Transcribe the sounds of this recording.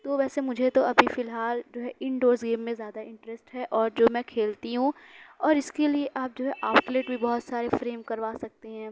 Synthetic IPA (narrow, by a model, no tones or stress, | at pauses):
t̪oʋɛːsemʊd͡ʒʱet̪oɐbʱifɪlɦaːld͡ʒoːɦɛʔɪ̃ɳɖoːɾsɡeːmːẽzjaːd̪aɪ̃ɳʈɾɛsʈɦɛʔɔːɾd͡ʒoːmɛ̃ːkʰeːlt̪iɦũɔːɾɪskelieʔaːp̚d͡ʒoːɦɛʔaːpʈleːʈbʱibɔɦʊt̪saːɾefɾeːmkɐɾʋaːsɐk̚t̪eɦɛ̃ː